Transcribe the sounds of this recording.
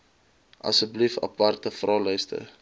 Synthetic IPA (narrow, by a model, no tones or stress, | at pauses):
ʔɐ̰səblifɐ̰pɐrtəfrɑːlœjstə̰